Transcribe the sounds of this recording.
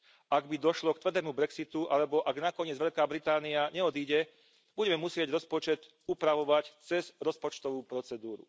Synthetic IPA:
aɡbid̪ɔʃlɔkt̪ʋr̩d̪ɛːmubɾɛksit̪uʔalɛbɔʔaɡnakɔɲɪɛd͡zʋɛʎkaːbɾit̪aːniaɲɛɔd̪iːɟɛ | b̥uɟɛmɛmusɪɛɟɾɔspɔt͡ʃɛt̪ | upɾaʋɔʋact͡sɛz̥ɾɔspɔt͡ʃt̪ɔʋuːpɾɔt͡sɛd̪uːɾṵ

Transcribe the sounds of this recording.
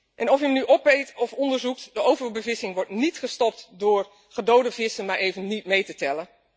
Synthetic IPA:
ʔɛnɔfjəmnyʔɔpejtɔfɔndəɹzuktdəʔowvəɹbəvɪsɪŋʋɔɹtnitχəstɔp̚tdʊːɹ | χədowdəvɪsənmaɹʔejvənːit̚mejtətɛlən

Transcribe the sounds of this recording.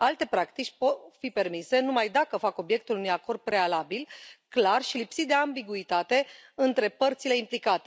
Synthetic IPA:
alt̪e̞pɾakt̪it͡ʃʲpo̞t̪fipe̞rmise̞numajd̪akəfako̞bje̞k̚t̪ulunujako̞rd̪̚pɾe̞alabilklarʃilipsit̪̚d̪e̞ambiɡuit̪at̪e̞ɨnt̪ɾe̞pərt̪sile̞implikat̪e

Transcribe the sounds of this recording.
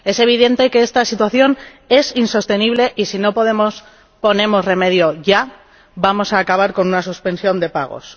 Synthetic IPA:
e̞se̞β̞iðe̞nt̪e̞keest̪asit̪waθjo̞n | e̞sinso̞st̪e̞niβ̞le̞ʔisino̞po̞ðe̞mo̞s | po̞nẽ̞mo̞zre̞me̞ð̞jo̞ʝa | bamo̞saːkaβ̞aɾko̞nunasuspe̞nsjo̞nd̪e̞pa̰ɣ̞o̞̰s

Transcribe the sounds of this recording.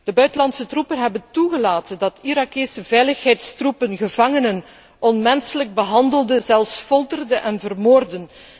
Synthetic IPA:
d̥əbœɥtəlɑntsətrupənɦɛbəntuɣəlaːtəndɑtiɾɑkesəvɛjləxɦɛjtstrupənɣəvɑŋənən | ɔnmɛnsələɡ̚bəɦɑndəlˠdəzɛlˠfsfɔlˠtərdəʔɛnvərmoːrdən

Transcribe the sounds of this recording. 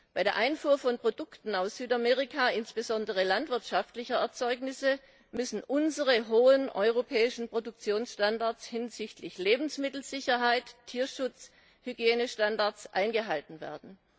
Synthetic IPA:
b̥aɪɾeːɐʔaɪnfuːɐfɔnpʁ̥odʊktn̩aʊsz̥yːtameːʁɪkʰaːɪnsb̥əzɔndəʁ̞əlantv̥ɪɐtʃaftlɪçɐɛɐt͡sɔʏknɪsə | mʏsn̩ʔʊnzəʁəɦoːənʔɔʏʁ̞opʰɛːɪʃn̩pʁ̥odʊk̚t͡sjoːnsʃtandaɐt͡shɪnzɪçtlɪçleːbm̩smɪtl̩z̥ɪçɐɦaɪtʰːiːɐʃʊt͡s | hyɡjeːnəʃtandaɐt͡sʔa̰ɪnɡəɦaltn̩vḛːɐdn̩

